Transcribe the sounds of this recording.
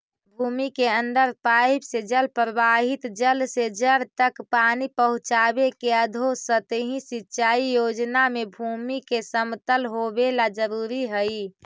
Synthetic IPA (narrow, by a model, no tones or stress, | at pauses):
bʱuːmikeənd̪əɾpaːɪbsed͡ʒəlpɾəbaɦɪt̪d͡ʒəlsed͡ʒəɾt̪əkpaːnipəɦʊ̃t͡ʃaːbekeəd̪ʱosət̪eɦĩsɪtːt͡ʃaːijoːd͡ʒnamebʱuːmikesəmt̪əlɦobelad͡ʒəɾuːɾiɦəi